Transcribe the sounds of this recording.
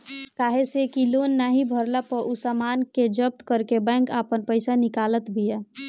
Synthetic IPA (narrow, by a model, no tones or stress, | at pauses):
kaːɦesekiloːnːaɦibʱəɾlapəʔusamaːnked͡ʒəb̚t̪kəɾkebɛ̃ːŋkaːpənpəɪsanɪkaːlət̪bʱia